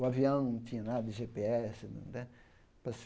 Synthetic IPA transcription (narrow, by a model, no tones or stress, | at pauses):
ʊaviɐ̃w̃nɐ̃w̃t͡ʃĩɲɐnad̪ɐɪʒepeɛsɪñ̰d̪ɛ | pɾɐs